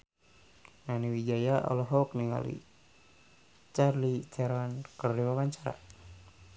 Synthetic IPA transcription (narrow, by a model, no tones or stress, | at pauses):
naniwid͡ʒajaʔɔ̰lɔɦɔk̚niŋa̰lḭ | t͡ʃarlit͡ʃʰɛɾwankərdiwawaɲt͡ʃaɾa̰